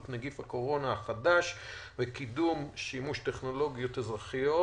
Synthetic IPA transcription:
tnaɡifhako̞ʁo̞naaχadaʃvekidumʃimuʃteχno̞lo̞ɡjo̞t̪ezʁaχijo

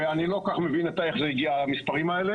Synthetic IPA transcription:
eanilo̞kaχme̞vinet̪aeχzeiɡiaːlamispaʁimaele

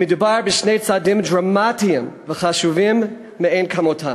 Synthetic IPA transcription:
medubaɹbiʃnejt͡sadimdɹamatiimveχaʃuvimː | eenkʰamotʰa

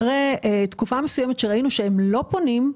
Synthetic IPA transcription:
ʁeet̪kufamesujemetʃeʁainuʃeemlo̞po̞nim

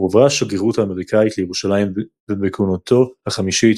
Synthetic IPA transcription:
uavʁaʃaɡeʁuthaːme̞ʁikait̪lejeʁuʃalaim | vebekunot̪ʰo̞haχamiʃit

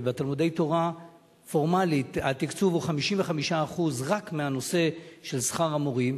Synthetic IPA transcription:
bet̪almud̪e̞jt̪oʁa | fo̞ʁmalit̪at̪ikt͡suvuχamiʃimveχamiʃaːχuzʁakmeano̞se̞ʃe̞lsχaʁamoʁim

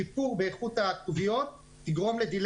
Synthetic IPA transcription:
ipuʁbeːχut̪hakt̪uvijo̞t̪̚ː | iɡʁo̞mle̞d̪il

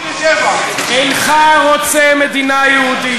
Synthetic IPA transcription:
ɛnχaɣɔt͡sɛmed̪inajeud̪i

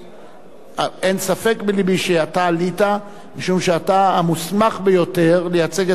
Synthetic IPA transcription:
aensafe̞kbelibiʃeatalita | miʃumʃeatamusmaχbejo̞te̞ʁlejat͡se̞ɡe

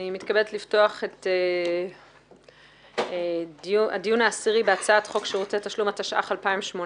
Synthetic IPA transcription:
imitkabedet̪lifto̞aχe̞te | dua̰dijunaːsiʁibeat͡saatχo̞kʃeʁot͡setaʃlumataʃa̰χalpaimʃmon

